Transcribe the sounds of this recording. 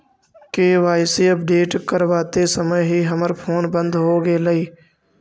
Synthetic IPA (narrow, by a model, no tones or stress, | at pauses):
keʋaːɪsiɐp̚ɖeːʈkəɾʋaːt̪esəməjɦiɦəməɾpʰoːnbə̃nd̪ɦoɡelɐiː